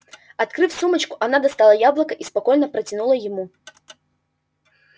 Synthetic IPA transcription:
at̪kɾɨfsumɐt͡ʃkuʔanad̪ast̪alˠɐjablˠɐkɐʔispakɔjnɐpɾɐt͡sʲinulˠɐjɪmu

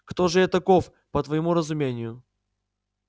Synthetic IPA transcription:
kt̪oʐɨɛt̪ɐkof | pət̪vəjɪmuɾəzʊmʲenʲɪjʊ

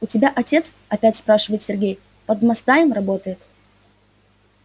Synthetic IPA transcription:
ʊtʲɪbʲaʔɐtʲe̞t̪s | ɐpʲætʲspɾaʂɨvəjɪt̪sʲɪrɡʲej | pəd̪mɐst̪ajɪmrɐbo̞t̪əjɪt̪

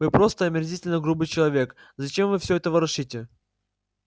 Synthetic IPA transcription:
vɨpɾost̪əɐmʲɪrzʲitʲɪlʲnəɡɾubɨjt͡ɕɪlˠɐvʲe̞kzɐt͡ɕe̞mvɨfsʲɵɛt̪əvəɾɐʂitʲɪ

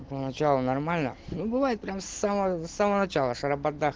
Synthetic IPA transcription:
pənɐt͡ɕalˠʊnɐrmalʲnənubɨvajɪt̪̚pɾʲamsːaməsːaməənɐt͡ɕalˠəʂəɾɐbɐd̪ːax

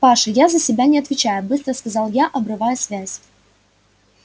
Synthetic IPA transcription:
paʂɨjazəsʲɪbʲanʲɪɐt̪vʲɪt͡ɕæjʊbɨst̪ɾəskɐzɑlˠjaʔɐbɾɨvajʊsvʲæzʲ

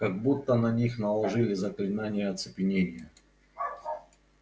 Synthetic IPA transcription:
kaɡ̚but̪ːənɐnʲixnəlˠɐʐɨlʲɪzəklʲɪnanʲɪjəɐt̪sɨpʲɪnʲenʲɪjə

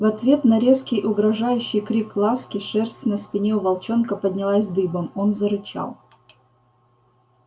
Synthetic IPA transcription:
vɐt̪vʲe̞t̪nɐɾʲe̞skʲɪjʔʊɡɾɐʐajʉɕːɪjkɾʲiklˠaskʲɪʂɛrsʲt̪ʲnɐspʲɪnʲeʊvɐlˠt͡ɕo̞nkəpəd̪ʲnʲɪlˠasʲd̪ɨbəmo̞nzəɾɨt͡ɕa̰lˠ

